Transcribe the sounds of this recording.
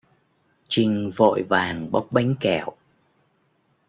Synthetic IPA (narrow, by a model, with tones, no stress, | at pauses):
t͡ɕï˨˩ŋ̟vo̰˧˨jvaː˨˩ŋɓa˦˥wk͡p̚ɓa˨˦jŋ̟kɛ˧˩˨w